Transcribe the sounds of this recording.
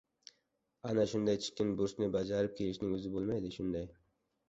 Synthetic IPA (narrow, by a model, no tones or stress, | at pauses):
anaʃʊnd̪ajt͡ʃʰɪ̥kʲɪnbʊɾsnɪbad͡ʒɑɾɪp̚kʲʰelɪʃnɪŋɵzɪbolˠmajd̪ɪʃʊnd̪aj